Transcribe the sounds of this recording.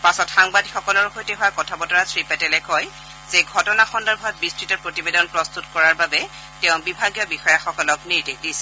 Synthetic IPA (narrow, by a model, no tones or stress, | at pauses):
pasɔtxaŋbadixɔkɔlɔɹxojtɛɦʊwakɔtʰabɔtɔɹasɹipɛtɛlɛkɦɔj | zeɡʱɔtɔnaxɔndɔɹbʱab̚bistɹitɔpɹotibedɔnpɹɔstutkɔɹaɹbabɛ | tɛʊ̃bibʱaɡjɔbixɔjaxɔkɔlɔkniɹdikdisɛ̥